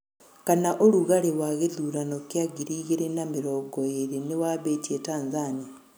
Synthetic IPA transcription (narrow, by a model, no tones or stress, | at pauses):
kanaʔoluɣaɾewaɣeðuɾanokiaɡiɾiɣiɾenamiɾoɡojeɾenewaβetietaːnzani